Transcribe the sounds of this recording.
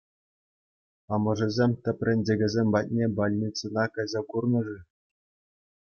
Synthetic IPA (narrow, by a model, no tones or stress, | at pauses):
ɑmɤ̆ʐɘ̆zʲemʲtʲɘ̆pʲrʲɘ̆nʲdʲeɡʲɘ̆zʲemʲbɑt̚ʲnʲebɑlʲnʲit͡sɤnɑkɑjzɑkurnɤ̆ʐɘ